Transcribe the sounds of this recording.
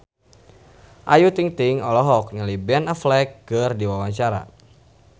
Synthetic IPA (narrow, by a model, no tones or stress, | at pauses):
ʔajut̪iŋt̪iŋɔlɔɦɔk̚nalibɛnaflɛk̚ɡərdiwawaɲt͡ʃaɾa̰